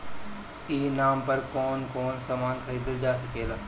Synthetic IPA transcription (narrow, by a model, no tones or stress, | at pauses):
iːnaːmpɐɾkoːnkɔːnsaːmaːnkʰɐɾiːd̪əld͡ʒaːsɐkeːlaː